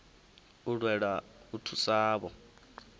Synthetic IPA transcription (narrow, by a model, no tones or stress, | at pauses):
uɺwɛɺautʰusaːβɔ